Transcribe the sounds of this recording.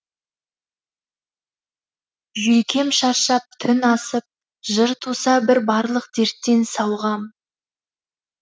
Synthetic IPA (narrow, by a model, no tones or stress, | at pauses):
ʒɵjkʲe̞mʃɑɾʃɑp̚t̪ʰʏnɑsəp̚ | ʒəɾt̪ʰusɑbɪɾbɑɾlˠəq̚d̪̥eɾt̪ːe̞nsɑwʁɑm